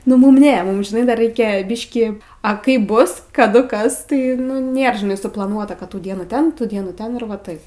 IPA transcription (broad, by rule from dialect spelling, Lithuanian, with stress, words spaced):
nʊ ˈmʊm ˈnʲɛ ˈmʊm ʒʲɪˈnɐɪ dɐr ˈrʲɛɪkʲɛ ˈbʲɪʃʲkʲiː ɐ ˈkɐɪp ˈbʊs kɐˈdʊ ˈkɐs tɐɪ nʊ ˈnʲeːr ʒʲɪˈnɐɪ sʊplˠɐˈnuɔtɐ kɐt ˈtuː ˈdʲiɛnuː ˈtʲɛn ˈtuː ˈdʲiɛnuː ˈtʲɛn ɪr ʋɐ ˈtɐɪp